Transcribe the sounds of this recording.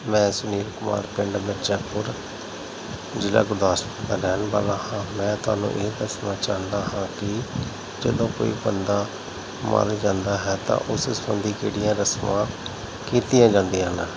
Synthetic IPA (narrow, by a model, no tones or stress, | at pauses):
mɛ̃ːsʊniːɾkʊma̰ːɾpɪɳɖbətːʃãːpʰʊɾ | d͡ʒɪla̰ːɡʊɾd̪aːspət̪aːɾɛːnba̰ːlãːhãːmɛ̃ːt̪ʊa̰ːnṵ̃ːʔeːd̪əsnãːt͡ʃaːnd̪aːɦãːkɪ | d͡ʒəd̪õːko̰ːiːbənd̪aː | ma̰ld͡ʒãːnd̪aːɦɛːt̪ã̰ːʔʊssbənd̪iːkeːɽijãːɾəsmãː | kiːt̪ɪjãːd͡ʒãːnd̪ijãːnː